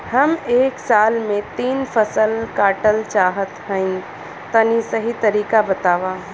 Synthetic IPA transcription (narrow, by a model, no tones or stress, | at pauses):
həmeːksaːlmẽt̪iːnpʰəsəlkaːʈəlt͡ʃaːɦət̪ɦə̃ɪ̃ | t̪ənisəɦit̪əɾiːkabət̪aːʋa